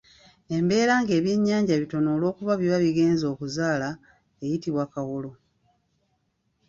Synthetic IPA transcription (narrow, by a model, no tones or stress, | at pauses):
e̞mbe̞ːɾaːŋɡe̞ːβje̞ɲːaːɲɟaβito̞no̞ːlo̞ːkuβaβiβaβiɡe̞ːnzo̞ːkuzaːla | ejitiβwakawolo̞